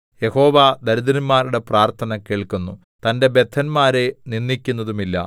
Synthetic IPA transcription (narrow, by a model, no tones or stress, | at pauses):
je̞ho̞ːʋad̪ɐɾuðɐnmaːɾuɽe̞praːrt̪ʰɐnɐkeːɭkunːu | t̪ɐnde̞be̞t̪ʰːɐnmaːɾe̞ninːikʲːunːɐðumilːɐ̰